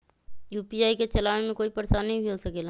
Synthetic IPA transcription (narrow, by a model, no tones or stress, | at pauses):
juːpiaːiket͡ʃɐlaːʋemẽkoːipɐɾsanɐɦĩbʱiɦosɐkeːla